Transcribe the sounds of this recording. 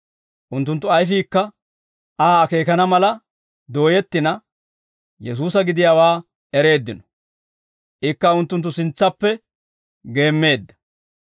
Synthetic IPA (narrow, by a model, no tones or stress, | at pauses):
ʔʊnt̪ːʊnt̪̬ːʊɐjfiːkːɐ | ʔaːɐke̞ːkɐnɐmɐlɐ | d̪o̞ːjɛt̪ːɪnɐ | jɛs̬uːsɐɡɪd̪ɪjaːwaː | ɛɾe̞ːd̪ːɪnɔ̥ | ʔɪkːɐʊnt̪ːʊnt̪ːʊsɪnt͡sːɐpːɛ | ɡe̞ːmːe̞ːd̪ːɐ̥